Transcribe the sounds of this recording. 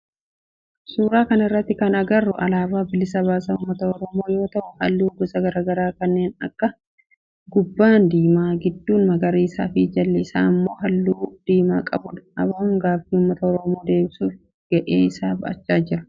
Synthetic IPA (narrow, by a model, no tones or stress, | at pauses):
suːɾaːkɐnɐɪrːɐt̪ːɪkɐnɐɡɐrːʊʔɐ̰laːbaːbɪlɪsɐbaːsɐʊmːɐt̪ɐɔɾɔmo̞ːjo̞ːt̪ɐʔʊhɐlːuːɡɔsɐɡɐɾaːɡɐɾaːkɐnːe̞ːnɐ̰kːɐ | ɡʊbːaːnd̪iːmaːɡɪd̪ːuːnmɐɡɐɾiːɪsa̰ːfɪd͡ʒɐlːɛɪsa̰ːɪmːo̞ːɦɐlːuːd̪̥iːma̰ːkʼɐ̰bʊd̪ɐɐbaːʊŋɡaːfiːʊmːɐt̪ɐɔɾɔmo̞ːd̪e̞ːbɪsuf | ɡ̥ɐʔḛːɪsaːbɐʔɐ̰t͡ʃːaːd͡ʒɪɾɐ̥